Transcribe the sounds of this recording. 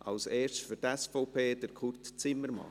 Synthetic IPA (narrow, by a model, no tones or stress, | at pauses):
ʔɑ̰wsɛːɾstfyɾtɛsfɔʊpʰeːd̥̪əɾkʰʊrtt͡sɪmːəɾmɑ̰